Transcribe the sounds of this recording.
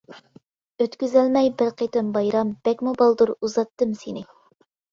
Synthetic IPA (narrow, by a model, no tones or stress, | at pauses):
øt̪kʲyzælmɛjbɪɾqʰet̪ɪmbɑjɾɑmb̥ɛkʲmubɑlˠd̪uɾuzɑt̪ːɨmsenɪ